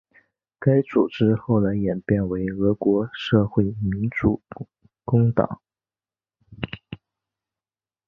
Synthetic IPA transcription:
ka˥ɪt͡su˨˩ʈ͡ʂɻ̩˥xo˥˩ʊla˧˥ɪjɛ˨˩npjɛ˥˩nwe˧˥ɪɤ˧˥kwɔ˧˥ʂɤ˥˧xwe˥˩ɪmi˧˥nt͡sṵ˨˩ | kʊ˥ŋt̪ɑ̰˨˩˦ŋ

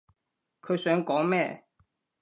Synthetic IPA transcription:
kʰɤ˨˧˥sɛ˨˧˥nkɔ˨˥˦mɛ˥˩˨

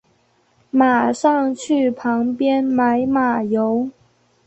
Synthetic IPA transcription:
ma˨˩ʂɑ˥˧ŋt͡ɕʰy˥˩pʰɑ˧˥ŋpjɛ˥nma˨˧˥ɪma˨˩jo˧˥ʊ

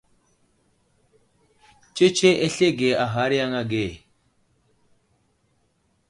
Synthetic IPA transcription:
t͡ʃe˦t͡ʃe˦ʔe˦ɬe˦ɡe˨a˨ɦa˦ɾi˦ja˦ŋa˦ɡe˨

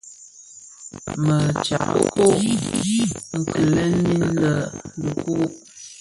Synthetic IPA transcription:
mə˨t͡ʃa̰˨ʔə̰˦ko˦i˦i˦ŋ̩˨kʰə˨lɛ˦ni˦lə˨lə˨ku˦

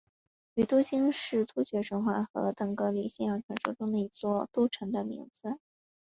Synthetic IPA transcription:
y˧˩t̪u˥ɕi˥ŋʂɻ̩˥˩t̪ʰu˥ɕɥɛ˧˥ʂə˧˥ŋxwa˥˩xɤ̰˧˥t̪ɤ˨˩ŋkɤ˥li˨˧˩ɕjɛ˥˩njɑ˨˩ŋʈ͡ʂʰɤ˧˥ŋʂɤ˥ʈ͡ʂʊ˥ŋd̪ə˨i˧˥t͡swɔ˥˧t̪u˥˩ʈ͡ʂʰə˧˥ŋd̪ə˧mḭ˧˥ŋd͡zɹ̩˧

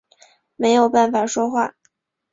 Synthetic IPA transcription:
me˧˥ɪjo˨˩ʊpa˥˩nfa˨˩ʂwɔ˥xwa˥˩

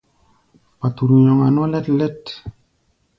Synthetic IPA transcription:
pa˨tu˨ɾu˨ɲɔ˨ŋa˨n˦ɔ˦lɛ˦tlɛ˦t

